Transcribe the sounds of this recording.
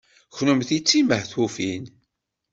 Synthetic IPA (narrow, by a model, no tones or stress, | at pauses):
çnumθit͡sːiməhθufin